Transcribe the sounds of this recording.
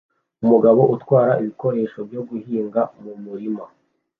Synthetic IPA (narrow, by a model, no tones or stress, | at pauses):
umuɡaβo̞ʔutwaːɾaʔiβiko̞ɾe̞ːʃo̞bjo̞ɡuhiːŋɡamumuɾima